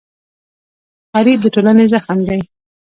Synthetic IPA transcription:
xɑɾid̪əʈolanezaxmd̪aj

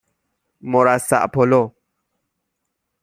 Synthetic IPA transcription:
mɔɾasa̰ʔpʰɔlo

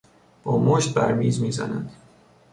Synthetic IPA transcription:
b̥ɒːmoʃt̪̚bæ̰ɾmiːzmiːzæ̰nænd̪̥

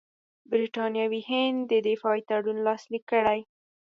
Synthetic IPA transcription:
bɾiʈɑnjɑwihɪnd̪d̪əd̪ɪfɑit̪aɽunlɑslikːəɽaj

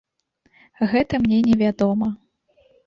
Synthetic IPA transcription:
ɣɛt̪ɐmnʲɛnʲɛvʲad̪ɔmɐ

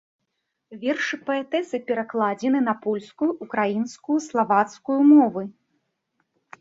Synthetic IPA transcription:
vʲɛrʂɨpɐɛt̪ɛsɨpʲɛɾaklˠad͡zʲɛnɨnɐpɔlʲskujuʔːkɾajinskujuslˠavat̪skujumɔvɨ

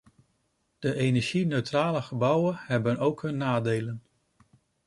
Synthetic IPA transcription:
d̥əʔejnɛɹʒinøɥtraːləχəbʌwənɦɛbənowkɦɵnːaːdejlən

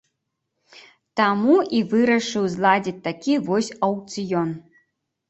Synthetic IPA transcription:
t̪amuivɨɾɐʂɨwzlˠad͡zʲit͡sʲt̪akʲivɔsʲɐwt̪sɨjɔn

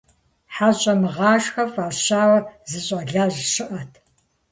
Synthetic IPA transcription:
ħaɕʼɐmɨʁɑːʃxɐfaːɕaːwɐzɨɕʼɐɮaːʑʃɨʔɐtʰ

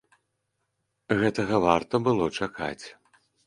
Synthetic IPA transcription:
ɣɛt̪ɐɣɐvart̪ɐbɨlˠɔt͡ʂakʰa̰t͡sʲ

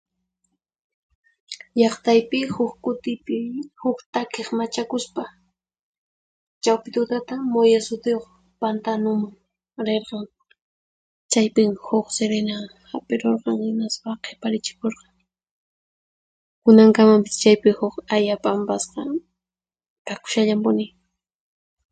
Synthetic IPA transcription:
ʎɑχt̪ajpɪhʊkkʊt̪ɪpɪhʊkt̪akeχmat͡ʃakʊspa | t͡ʃawpɪt̪ʊt̪at̪amojasʊt̪ɪjoχ | pant̪anʊmaŋ | ɾeɾqɑŋ | t͡ʃajpɪŋhʊkseɾenahapʼeɾoɾqɑŋhɪnaspaqʰepaɾɪt͡ʃɪ̥koɾqɑŋ | kʊnaŋkamampɪ̥st͡ʃajpɪhʊkajapʼampasqɑ | kakʊ̥ʃaʎampʊnɪ

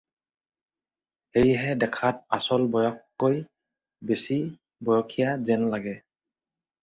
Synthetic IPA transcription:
hejɦɛdɛkʰat̚asɔlbɔjɔkːoj | besi | bɔjɔkʰijazɛnlaɡɛ

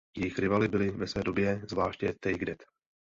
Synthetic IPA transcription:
jɛjɪxɾɪvalɪbɪlɪvɛsvɛːdobjɛzvlaːʃcɛt̪ɛjɡdɛt̪

